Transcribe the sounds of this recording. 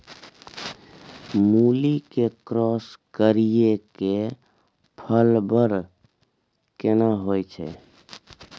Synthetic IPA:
mulikekɾɔskəɾijeke | pʰəlbəɾ | kenaɦojt͡ʃʰɛ̰

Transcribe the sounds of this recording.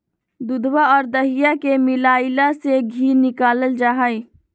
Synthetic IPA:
d̪ʊd̪waɔːɾd̪əɦɪjakemɪlaːɪlaseɡʱiːnɪkaːləld͡ʒaːɦai

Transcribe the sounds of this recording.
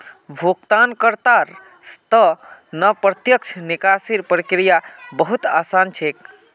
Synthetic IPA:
bʱukt̪ankəɾt̪aɾ | st̪ənəpɾət̪jək̚t͡ʃʰnikasiɾpɾikɾijabəɦut̪asant͡ʃʰek

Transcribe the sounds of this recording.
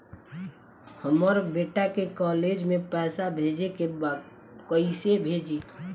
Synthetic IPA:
həməɾbeːʈakekɔːled͡ʒmẽpɛːsabʱed͡ʒekebad̪̚ | kəisebʱeːd͡ʒi

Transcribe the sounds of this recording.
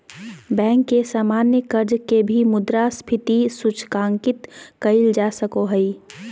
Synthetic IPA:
bɛ̃ːŋkːesaːmaːnjəkəɾd͡ʒkebʱimʊd̪ɾaspʰɪt̪isʊt͡ʃʰkãːŋkɪt̪kəɪld͡ʒasəkoɦəi

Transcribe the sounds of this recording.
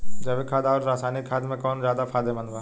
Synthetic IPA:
d͡ʒɐbekʰaːd̪aɔːɾːaːsaːnikʰːaːd̪mẽkɔːnzjaːd̪apʰaːd̪emɐ̃nbaː

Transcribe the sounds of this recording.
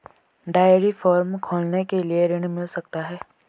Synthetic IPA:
ɖaːjəɾifɔːɾmkʰoːlnekelieɾɪñmɪlsɐkt̪aɦɛː

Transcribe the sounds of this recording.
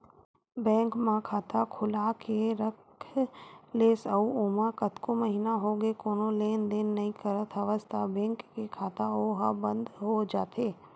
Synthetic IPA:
bɛ̃ːŋkmãkʰaːt̪akʰʊlakʰeɾəkʰleːsəuoːmãkət̪koməɦiːnaɦoɡekoːnoleːnd̪eːnːəĩkəɾət̪ʰəʋəst̪ʰabɛ̃ːŋkːekʰaːt̪aoɦabə̃nd̪ɦod͡ʒaːt̪ʰeː

